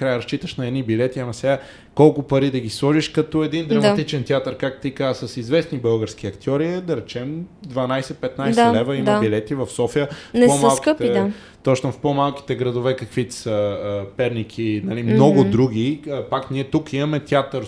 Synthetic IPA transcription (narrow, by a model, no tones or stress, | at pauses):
kɾajəɾɐst͡ʃit̪əʃnɐɛd̪nibilɛt̪iɐnɐsɛɡa | kɔlˠkʊpɐɾid̪ɐɡislˠɔʒiʃkɐt̪ɔɛd̪ind̪ɾɐmɐt̪it͡ʃɛnt̪ʲjat̪əɾkakt̪t̪ikazsɐsizvɛsnibɤlˠɡəɾsk̟iɐkt̪iɔɾiɛd̪ɐɾɛt͡ʃɛmd̪vɐnajsɛt̪̚pɛt̪najsɛlɛvəimɐbilɛt̪ivɐfsɔfijənɛpomalˠkət̪ɛd̪a | t̪ɔt͡ʃnofpomalˠki̥t̪ɛɡɾɐd̪ʊvɛkɐkvit̪ɛ̥səpɛɾnikʰinɐlimnɔɡʊd̪ɾuɡ̟ʲiəpakniɛt̪ukimɐmɛt̪ʲjat̪əɾ